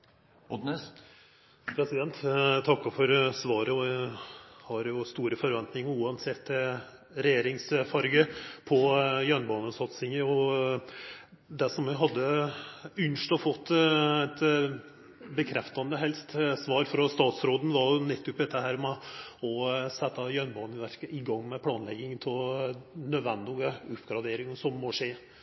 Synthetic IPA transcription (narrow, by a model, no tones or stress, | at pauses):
ɔd̪nɛs | pʰɾɛsɪd̪ɛnt̪t̪ʰɑkːɑfɔɾsʋɑːɾəɔ | hɑɾjʊst̪uːɾəfɔɾʋɛnt̪nɪŋəʉːɑnsɛt̪ː | ɾɛjeːɾɪŋsfɑɾɡəpʰɔjœɳbɑːnəsɑt̪sɪŋəɔ | d̪æʂɔmʋɪɦɑd̪ːə | ʉnʂʈ̪ɔfɔt̪ːæt̪ | bəkʰɾɛft̪ɑnd̪əɦɛlst̪sʋɑːɾfɾɔst̪ɑːt̪sɾoːd̪n̩ʋɑɾjʊnɛt̪ːʉpd̪ɛt̪ːəhæːɾmɛɔsɛt̪ːɑjœnbɑːnəʋæɾkəʔɪɡɑŋːmɛpʰlɑːnlɛɡɪŋt̪ʰɪlnœd̪ʋɛnd̪ɪɡəʉpːɡɾɑd̪eːɾɪŋsɔmːɔʂeː